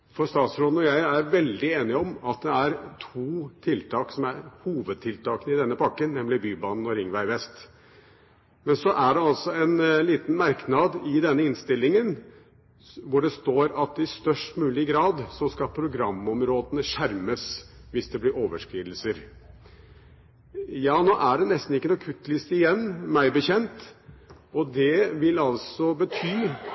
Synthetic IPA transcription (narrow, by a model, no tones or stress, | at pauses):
fɔɾst̪ɑːt̪sɾoːd̪nɔjæɪæɾʋɛld̪ɪeːnɪɔmɑt̪̚d̪ɛæɾt̪ʰuːt̪ʰɪlt̪ʰɑːksɔmæɾhuːʋəd̪̚t̪ʰɪlt̪ʰɑːkənəɪd̪ɛnːəpʰɑkːənːɛmlɪbyːbɑːnn̩ɔɾɪŋʋæɪʋɛst̪ | mɛnsɔʔæɖɛɑlsɔɛnliːt̪nmɑɾknɑd̪ɪd̪ɛnːəɪnst̪ɪlːɪŋən | ʋʊɖɛst̪oːɾɑt̪̚ɪst̪œʂʈmʉːlɪɡɾɑːd̪sɔskɑpʰɾʊɡɾɑmːɔmɾoːd̪ənəʂæɾməsʋɪsd̪ɛblɪɾoːʋəʂkɾiːd̪l̩səɾ | jɑːnoːʔæɖɛnɛst̪n̩ɪkːənuːkʰʉt̪ːlɪst̪ɪjɛnːmæɪbəçɛnt̪ | ɔd̪ɛʋɪlɑlsɔbət̪ʰyː